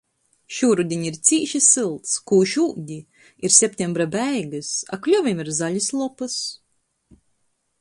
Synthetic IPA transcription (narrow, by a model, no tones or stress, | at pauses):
ʃuːɾud̪ʲiɲiɾt̪siːʃisɨlˠt̪skuːʃuːɟ̪ʲi | iɾsʲɛp̚ʲt̪ʲɛmbɾabɛjɡɨsa̰klʲɔvʲimiɾzaʎʲɨslˠɔpɨs